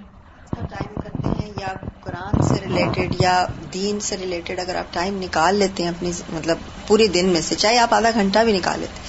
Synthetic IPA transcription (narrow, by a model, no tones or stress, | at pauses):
saːʈaːɪmkɐɾt̪ḛɦɛ̃jaːɡʊɾaːnseɾɪleːʈɪɖjad̪iːnseɾɪleːʈɪɖɐɡəɾa̰ːp̚ʈaːɪmnɪkaːlːeːt̪eɦɛ̃ɐpnimɐt̪ləb̚ | puːɾed̪ɪnmẽset͡ʃaːɦeaːpaːd̪aɡʱɐ̃ɳʈabʱinɪka̰ːlːḛːt̪eɦɛ